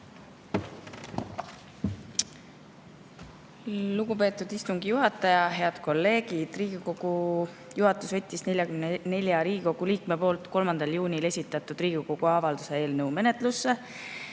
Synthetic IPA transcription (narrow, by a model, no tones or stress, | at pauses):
luɡ̥upe̞ːt̪ːˑud̪̥ist̪uŋɡijuɦɑt̪ːˑɑjɑɦe̞ɑd̪̥ko̞lːe̞ːɡid̪̥riːɡ̥iko̞ɡ̥u | juɦɑt̪ːˑusvɤt̪ʲːˑisne̞lʲjɑkymnne̞lʲjɑɾiːɡiko̞ɡ̥uliːkme̞po̞ːlt̪ˑko̞lmɑnd̪̥ɑljuːnʲile̞sʲit̪ːˑɑt̪ːˑud̪̥riːɡ̥iko̞ɡ̥uɑvɑld̪use̞e̞ːlnɤwme̞ne̞t̪lusːe̞